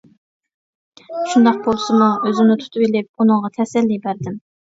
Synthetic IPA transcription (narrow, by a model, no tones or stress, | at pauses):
ʃund̪ɑq̚bolˠsɨmuʔøzɪnɪt̪ʰu̥t̪ʰɨbilɪp̚unɨŋʁɑt̪ʰɛsɛlːibæɾd̪ɪm